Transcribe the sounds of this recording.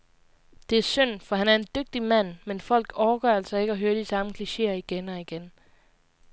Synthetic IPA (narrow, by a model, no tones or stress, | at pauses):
d̥e̝æɐsøn̰fɒ̽hænæɐe̝nd̥øɡ̥̚d̥imæn̰menfɒ̽l̰ɡ̥ɒʊɐɡ̥ɶɐælsɐe̝ɡ̥ɒ̽ɦøːɐd̥isɑ̈məkʰliɕe̝̰ːɐiɡ̥enɒ̽iɡ̥en